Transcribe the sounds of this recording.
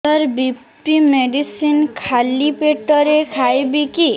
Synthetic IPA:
aɾbip | ʈimeɖisinkʰalipeʈɔɾekʰajbiki

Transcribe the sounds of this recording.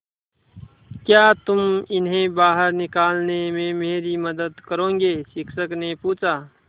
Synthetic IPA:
kjaːt̪ʊmɪnɦẽbaːɦəɾnɪkaːlnemẽmeːɾiməd̪əd̪kəɾõːŋ̆ɡesɪkʰsəknepuːt͡ʃaː

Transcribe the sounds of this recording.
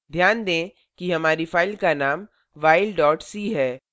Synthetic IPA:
d̪ʱjaːnd̪ẽː | kiɦɐmaːɾifaːɪlkanaːm | ʋaːɪlɖɔːʈsiɦɛː

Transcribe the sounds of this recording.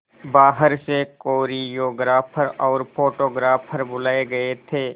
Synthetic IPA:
baːɦəɾsekoːɾijoːɡɾaːpʰəɾɔːɾpʰoːʈoːɡɾaːpʰəɾbʊlaːeɡɐet̪ʰeː

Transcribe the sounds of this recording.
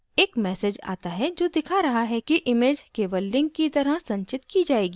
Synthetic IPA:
eːkmɛːsed͡ʒa̰ːt̪aɦɛd͡ʒoːd̪ɪkʰaɾɐɦaɦɛkiʔɪmeːd͡ʒkeːʋəlːɪ̃ŋɡ̚kit̪ɐɾəɦsɐ̃ɲt͡ʃɪt̪kid͡ʒaːeːɡiː

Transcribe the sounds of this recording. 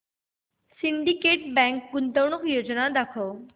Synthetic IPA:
siɳɖikeːʈbɛ̃ŋkɡʊnt̪əʋɳ̃ukjoːd͡ʒnad̪akʰo

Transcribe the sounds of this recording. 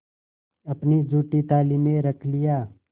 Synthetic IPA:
ɐpnid͡ʒʱuːʈit̪aːliːmẽɾəkʰlɪjaː

